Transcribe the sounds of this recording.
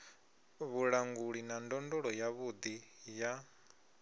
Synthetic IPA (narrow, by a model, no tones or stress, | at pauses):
βuɺaŋɡuɺinandɔndɔɺɔjaβud̪ija